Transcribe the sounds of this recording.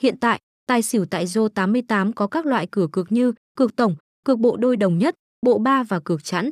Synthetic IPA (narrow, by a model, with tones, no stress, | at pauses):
hḭ˧˨ənt̪a̰ː˧˨j | t̪aː˨˩jsi˧˩əwt̪a̰ː˧˨jzo˧t̪aː˨˦mːɨ˧əjt̪aː˨˦mkɔ˨˦kaː˦˥k̚lwa̰ː˧˨jkɨ˧˩əkɨ˨˩ək̚ɲɨ˧kɨ˨˩ək̚t̪ə˧˩wŋ͡m | kɨ˨˩ək̚ɓo̰˧˨ɗo˧jɗə˨˩wŋ͡mɲə˦˥t̚ | ɓo̰˧˨ɓaː˧vaː˨˩kɨ˨˩ək̚t͡ɕa̰˨˦˥n